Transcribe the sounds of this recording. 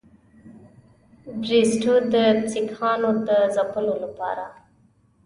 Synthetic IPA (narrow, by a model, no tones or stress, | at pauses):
bɾisʈod̪əsikɑnod̪azapəlolapɑ̰ɾa